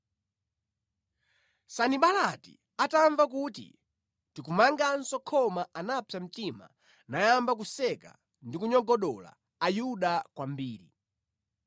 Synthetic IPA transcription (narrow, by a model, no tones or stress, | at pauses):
saniɓalatḭ | ataɱvak̬utḭ | tikumaŋɡan̩sɔkʰɔmaanapʰjam̩tima̰ | najambak̬usɛka̰ | ndikuɲɔɡɔɗɔla̰ː | juɗakwambiːɾḭ